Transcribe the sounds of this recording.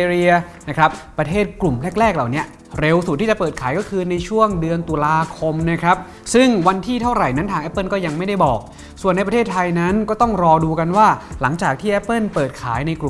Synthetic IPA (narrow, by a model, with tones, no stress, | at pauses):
e˧ɾi˧ɐna˦˥kʰɾa˦˥p̚ːɾa˧t̪ʰeː˥˩t̪̚klu˨˩mlɛ˦˥˩k̚ɾɛː˥˩k̚la˨˩wni˦˥ɐ | ɾe˧wsu˨˩iː˥˩t͡ɕa˨˩pɤː˨˩t̪̚kʰaː˩˦jkɔː˥˩kʰɯː˧na˧jt͡ɕʰu˥˩əŋdɯ˧ənt̪u˧laː˧kʰo˧mna˦˥˩kʰɾa˦˥p̚ | sɯ˥˩ŋwa˧nt̪ʰiː˥˩t̪ʰa˥˩wɾa˨˩jna˦˥nt̪ʰaː˧ŋʔpːɤ˥˩nkɔː˥˩ja˧ŋma˥˩jda˥˩jbɔː˨˩k̚ | su˨˩ənːa˧jp̬ɾa˧t̪ʰːt̪ʰːa˧jna˦˥nkɔː˥˩t̪ɔ˥˩ŋɾɔː˧duː˧ka˧nwaː˥˩la˩˦ŋt͡ɕaː˨˩k̚t̪ʰiː˥˩ʔɛ˦˥pːɤ˥˩npɤː˨˩t̪̚kʰaː˩˦jna˧jku˨˩